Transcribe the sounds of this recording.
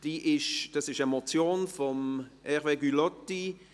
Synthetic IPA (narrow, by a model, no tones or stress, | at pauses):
d̥iːʔɪʃd̥ɑsɪʃəmɔt͡sjoːnfɔmʔɛʁveɡylɔtːi